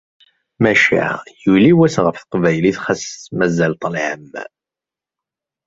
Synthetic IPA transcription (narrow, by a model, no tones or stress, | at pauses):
mæʃḭʕjuliwæsʁəfθə̥qvæjliθχæsmæzælt̪ˤəlʕəmː